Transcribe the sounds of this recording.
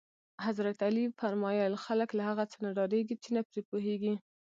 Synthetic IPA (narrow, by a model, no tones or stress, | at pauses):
hazɾat̪alifaɾmɑjɑlxaləklahaɣat͡sənaɖɑɾeɡit͡ʃenapɾepoɦeɡi